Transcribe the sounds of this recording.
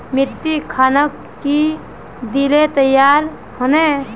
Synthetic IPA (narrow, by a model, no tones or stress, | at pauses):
mɪʈːikʰaːnəkːi | d̪ilet̪əjaːɾ | hone